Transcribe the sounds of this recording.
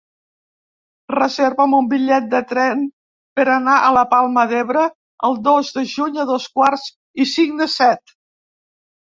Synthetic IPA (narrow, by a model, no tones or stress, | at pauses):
rəzeɾβəmumbiʎɛt̪̚d̪ət̪ɾɛn | pəɾənaʔələpalˠməðeβɾə | əlˠd̪ozd̪əʒuɲəðoskwarz̥ | isiŋd̪əsɛt̪